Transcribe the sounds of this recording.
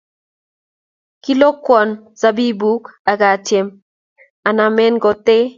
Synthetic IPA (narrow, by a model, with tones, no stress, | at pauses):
ki˦lo˦kwɔ˨nza˦bi˦bu˦ka˨ɡa˨tje˨m | a˨na˨mɛ˦nɡɔ˨t̪e˦